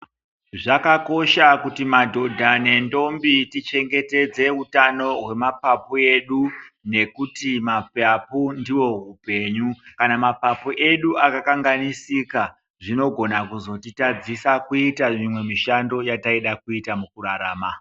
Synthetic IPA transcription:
ʐakako̞ʃakutimadʱo̞dʱane̞ndo̞mbitit͡ʃe̞ŋɡe̞te̞d͡ze̞ɦutano̞ɦwe̞mapapoe̞ɗu | ne̞kutimapapundiwo̞ɦupe̞ːɲukanamapapoʔe̞ɗuʔakakaŋɡanisika | ʐino̞ɡʱo̞nakuzo̞titad͡zisakuitamimwe̞miʃando̞jataiɗakuitamukuɾaɾaːma

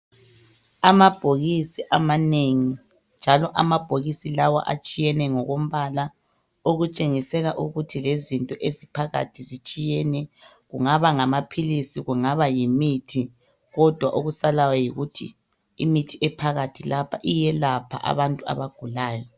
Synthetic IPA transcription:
amab̥ʱoɣisiʔamaneŋi | nd͡ʒʱalɔʔamab̥ʱoɣisilawɔ̰ʔa̰t͡ʃʼijɛnɛŋɔɣom̩βala | oɣut͡ʃʼeŋisɛɣaʔuɣutʰilezintʼɔʔezipʰaɣa̰tʰizit͡ʃʼijɛnɛ | ɣuŋaβaŋamapʰilisiɣuŋaβajimitʰi | ɣɔd̥ʱwaʔoɣusalawɛjiɣutʰḭː | mitʰiɛpʰaɣatʰilapʰa̰ʔijɛlapʰa̰ʔa̰βantʼua̰βaɡ̥ʱulaːjɔ

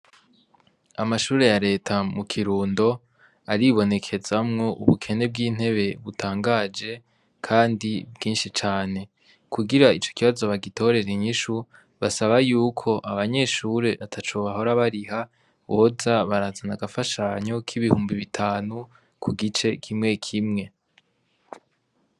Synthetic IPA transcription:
amaʃuːɾe̞jaɾe̞ːtʰamukʰiɾuːndo̞ | aɾiβo̞ne̞kʰe̞zamŋo̞ʔuβukʰe̞ne̞b̚ɡiːn̥he̞βe̞βutʰaːŋɡaːd͡ʒe̞ | kʰaːndibɡiːnʃit͡ʃaːne̞ | kʰuɡiɾait͡ʃo̞̥kiβazo̞βaɡito̞ɾe̞ɾiɲiʃu | βasaβajuːkʰo̞ʔaβaɲe̞ʃuɾe̞ʔatʰat͡ʃoβaɦo̞ɾaβaɾiha | βo̞ːzaβaɾazanaɡafaʃaːɲo̞kʰiβihuːmbiβitʰaːnu | kʰuɡit͡ʃe̞kʰimŋe̞kʰimŋe̞

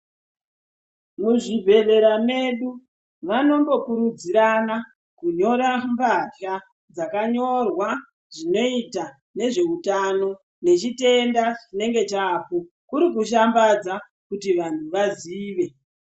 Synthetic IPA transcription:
muʐibʱe̞ɗe̞ɾame̞ɗu | ʋano̞mbo̞kuɾud͡ziɾana | kuɲo̞ɾambaɬa | d͡zakaɲo̞rwa | ʐ̥ino̞ita | ne̞ʐe̞utano̞ | ne̞t͡ʃite̞ndaʐine̞ŋɡe̞t͡ʃaːpo | kuɾikuʃ̬ambad͡za | kutiʋantʰuʋaziːʋe̞

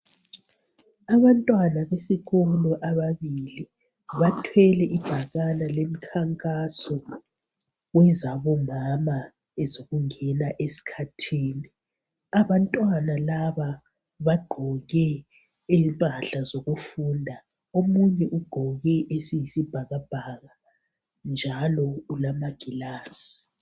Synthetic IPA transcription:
aβantʼwanaβesiɣɔlɔʔaβaβili | βatʰwɛlɛʔib̥ʱaɣanalemikʰaŋkʼasɔ | ɣwɛzaβɔmama | ɛzoɣuŋɛnaʔesi̥kʰatʰiːni | aβantʼwanalaβa | βaɡ͡ǃʱɔɣɛ | ɛmpʼaɬazoɣufuːndʱa | omuɲɛʔuɡ͡ǃ̥ʱɔɣɛʔesijisib̥ʱaɣab̥ʱaɣa | nd͡ʒʱalɔulamaɡ̥ʱilaːsi̥

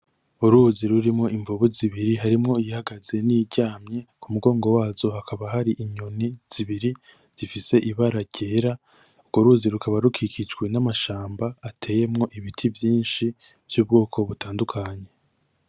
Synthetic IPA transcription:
uɾuːziɾuɾimŋo̞ʔiɱvuβuziβiɾiɦaɾimŋo̞ijihaɡaz̥e̞niːɟaːmɲe̞kʰumuɡo̞ːŋɡo̞waːz̥o̞hakʰaβaɦaɾiʔiɲoniz̥iβiɾi | z̥ifise̞ʔiβaɾaɟ̥e̞ːɾa | uɡoɾuːziɾukʰaβaɾukʰikʰid͡ʒɡwe̞namaʃaːmbaːtʰe̞ːje̞mŋo̞ʔiβitʰivjiːnʃi | v̥juːb̚ɡo̞ːkʰo̞βutaːndukʰaɲe̞

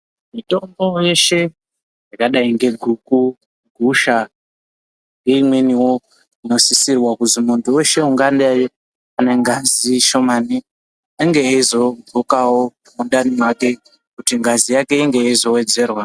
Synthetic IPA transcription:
mito̞mbo̞jeʃe̞ | jakaɗaiŋɡe̞ɡʱuku | ɡʱuʃa | ŋɡe̞imwe̞niwo̞ | ino̞sisirwakuzimundowe̞ʃe̞uŋɡandaje | ane̞ŋɡaziʃo̞mani | aŋɡeeizo̞bokawo | munɗanimake̞ | kutiŋɡazijake̞iŋɡe̞jaizo̞we̞d͡ze̞ːrwa

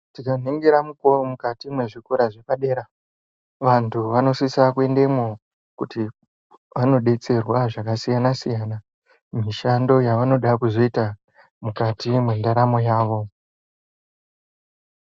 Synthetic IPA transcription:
tikan̤eŋɡeɾamuko̞romukatimwe̞ʐikuɾaʐe̞paɗe̞ːɾa | ʋantʰuʋano̞sisakue̞nde̞mo | kuti | ʋano̞ɗe̞t͡se̞rwaʐakasijanasijana | miʃando̞jaʋano̞ɗakuzo̞ita | mukatimwendaɾamo̞jaːʋo̞

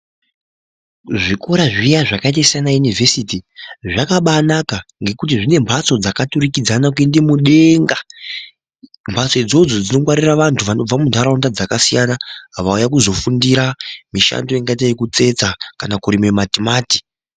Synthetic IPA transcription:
ʐikoɾaʐijaʐakaitasijanajunive̞sitiʐakaɓanakaŋɡe̞kut̬iʐine̞mbʱat͡so̞d͡zakaturikid͡zanak̬wendemuɗe̞ŋɡa | mbʱat͡sod͡zo̞d͡zo̞d͡zino̞kwaɾiraʋantʰuʋano̞b͡vamundʱaɾaundad͡zakasijanaɦaʋaujakuzo̞fundiɾamiʃa̰ndo̞iŋɡait̬ajekut͡se̞t͡sakanakuɾimematimaːti̥

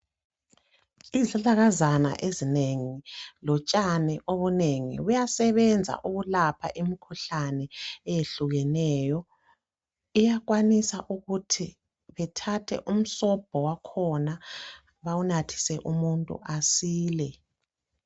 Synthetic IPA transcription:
izaɮaɣazana̰ʔezineŋilɔt͡ʃʼanɛʔoβuneŋḭujasɛβɛnd͡zʱa̰ʔuɣulapʰa̰ʔimikʰuɬanɛːjeɬuɣɛnɛːjɔ | ijak̬wanisaʔuɣutʰi | βɛtʰatʰɛ̰ʔum̩sɔb̥ʱɔwakʰɔna | βawunatʰi̥sɛʔumuntʼṵʔasiːlɛ

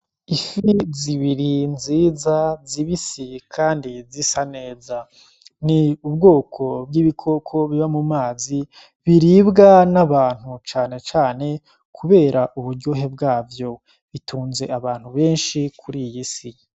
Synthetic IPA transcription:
ifiziβiɾinziːzaziβisikʰaːndizisane̞ːza | niubɡo̞ːkʰo̞b̚ɡiβikʰo̞kʰo̞βiβamumaːzi | βiɾiːbɡanaβaːn̥ut͡ʃaːne̞t͡ʃaːne̞ | kʰuβe̞ːɾaʔuβuɾɟo̞ːɦe̞b̚ɡaːvjo̞ | βitʰuːnze̞aβaːn̥huβe̞ːnʃikʰuɾijisi

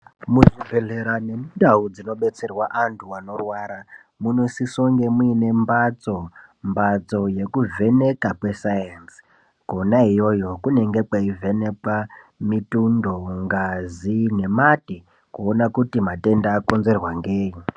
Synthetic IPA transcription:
muʐibʱe̞ɮeɾane̞mudaud͡zino̞ɓe̞t͡se̞rwaʔantʰuwano̞rwaɾa | muno̞sisoŋɡe̞muine̞mbat͡so̞mbat͡so̞je̞kuve̞ne̞kakwe̞sajans | konaijo̞jo̞kune̞ŋɡe̞kwaive̞ne̞ka | mitundo̞ŋɡazine̞mati | kuonakutimate̞ndaːko̞nze̞rwaŋɡeːji

